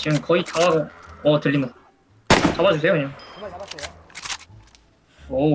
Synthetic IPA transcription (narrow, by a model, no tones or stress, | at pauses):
t͡ɕiɡɯmkʌitʰawaɡoʌtɯʎːimɯ | t͡ɕabad͡ʑus̬ʰe̞jokɯɲaŋ | o